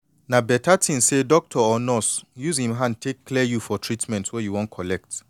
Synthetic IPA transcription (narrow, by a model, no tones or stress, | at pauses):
nãbɛtʰatʰĩnsedɔk̚tʰɔɔnɔsjushĩmɦãntʰekʰːlɛjufɔtʰɹitmɛ̃ntwɛjuwɔ̃nkʰɔlɛk̚t